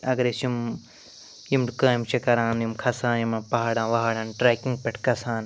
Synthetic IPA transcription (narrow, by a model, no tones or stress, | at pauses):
ɐɡɐɾesim | jimɖkaːjimt͡ʃʰɐkɐɾãːnjimkʰɐsãːnjimɐpɐɦaːɽãːʋɐɦaːɽãːnʈɾaːkĩŋɡpeʈʰkɐsaːn